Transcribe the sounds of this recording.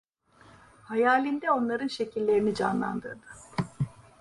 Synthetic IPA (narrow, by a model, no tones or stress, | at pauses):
hajaːlʲind̪ɛo̞nlˠaɾɯnʃe̞cʰilʲːe̞ɾinid͡ʒa̰nlˠa̰nd̪ɯɾd̪ɯ